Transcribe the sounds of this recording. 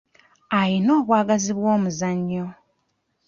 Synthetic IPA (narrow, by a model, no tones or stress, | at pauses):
ajino̞ːβwaːɡaziβwoːmuzaɲːo̞